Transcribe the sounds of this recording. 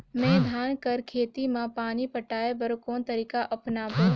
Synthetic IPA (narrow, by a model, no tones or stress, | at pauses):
mɛ̃ːd̪ʱaːnkɐɾkʰeːt̪imãpaːnipɐʈaːebɐɾokoːnt̪əɾiːkaʔɐpnaːb